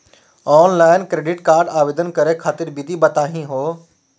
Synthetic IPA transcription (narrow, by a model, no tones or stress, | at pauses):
ɔːnlaːɪnkɾeːɖɪʈkaːɾɖaːʋeːd̪ənkɐɾekʰaːt̪ɪɾbɪd̪ʱibɐt̪aːɦĩɦoː